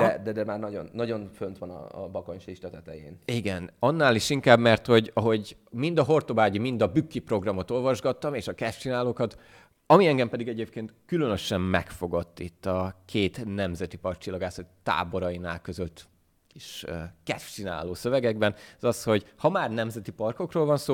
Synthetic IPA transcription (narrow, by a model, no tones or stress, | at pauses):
d̪ɛd̪ɛd̪ɛmaːrnɒɟo̞̰nːɒɟo̞nfønt̪ʋɒnɒ̰bɒko̞ɲʃiʃlɛt̪ɛt̪ɛjeːniɡɛnɒnːaːliʃiŋkaːbmɛrt̪ho̞ɟɒɦo̞ɟ | mind̪ɒɦo̞rt̪obaːɟimind̪ɒbykːipro̞ɡrɒmo̞t̪o̞lvɒʒɡɒt̪ːɒmeːʃɒkɛʃt͡ʃinaːloːkɒt̪ | ɒmiɛŋɡɛmpɛd̪iɡɛɟeːp̚keːnt̪kylønø̞ʃɛmmɛkfo̞ɡot̪ːit̪ːɒkʰeːt̪nɛmzɛt̪ipɒrk̚t͡ʃilːɒɡaːsot̪ːa̰ːbo̞ɾɒjina̰ːlkø̞zøt̪ː | iʃkɛʃt͡ʃina̰ːloːsø̞vɛɡɛɡ̚bɛnzɒsho̞ɟhɒmaːrnɛmzɛt̪ipɒrko̞kroːlvɒnsoː